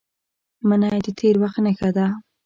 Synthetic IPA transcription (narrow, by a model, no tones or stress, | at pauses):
manɑjed̪et̪ʰeɾwaxt̪nəxad̪a